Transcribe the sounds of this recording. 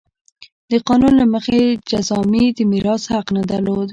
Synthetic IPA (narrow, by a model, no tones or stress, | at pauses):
d̪əqɑnunlaməxed͡ʒazɑmid̪əmiɾɑshaqnad̪alod̪